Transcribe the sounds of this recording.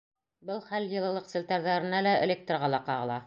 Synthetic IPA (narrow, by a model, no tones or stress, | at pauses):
bɤlˠχæljɤ̆lˠɤ̆lˠɤq̪sɘ̆lʲt̪æɾðæɾɘ̆nælæḛ̆lʲek̚t̪rʁɑlˠɑqɑʁɤ̆lˠɑ